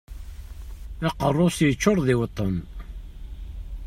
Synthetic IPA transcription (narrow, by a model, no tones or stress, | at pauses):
æqərˤːosjət͡ʃːʊɾˤðɪwt̪ˤːən